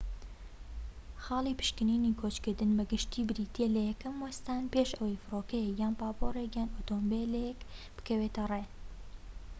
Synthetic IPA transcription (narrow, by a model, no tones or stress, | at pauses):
xɑːlˠiːpɨ̥ʃkɨniːnikʰoːt͡ʃkɨɾd̪ɨnbɐɡɨʃt̪iːbɨɾit̪ʰeːlɐjɛkɐmwɐst̪aːnpeːʃɐwejfɨɾoːkɐjɛkjaːnpaːpoːɾekjaːnot̪oːmbelekb̥ɨ̥kɐweːt̪ɐre